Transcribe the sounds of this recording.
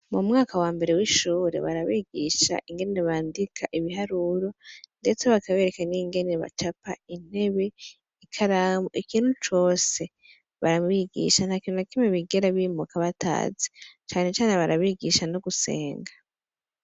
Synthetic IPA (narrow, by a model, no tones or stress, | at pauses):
mumŋaːkawaːmbe̞ɾe̞wiʃuːɾe̞̰βaɾaβiːɡiʃa̰ʔiŋɡe̞neβaːndikʰaʔiβiɦaɾuɾo̞nde̞t͡se̞βakaβe̞ːɾe̞kaniŋɡe̞neβa̰t͡ʃapain̥e̞βe̞ | ikʰaɾaːmoʔikiːn̥hut͡ʃo̞ːse̞ | βaɾamβiɡḭʃan̥hakinunakimeβiɡeɾaβiːmukaβatʰa̰ːzet͡ʃaːne̞t͡ʃaːneβaɾaβiːɡiʃanoɡuse̞̰ːŋɡa